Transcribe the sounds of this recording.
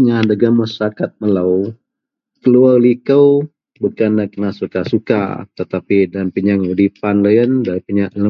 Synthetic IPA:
ɲahdaɡamːasɾakat̪̚mələw | kəluarlikəw | bukanːakənasukasuka̰t̪ət̪apidanpiɲaŋudipanləjəndapiɲaʔlə

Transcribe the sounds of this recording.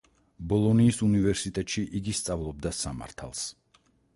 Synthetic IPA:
bɔlˠɔniːsunivɛɾsit̪ʼɛt̪ʼʃiʔiɡist̪sʼavlˠɔb̚d̪asama̰ɾt̪ʰa̰lˠs

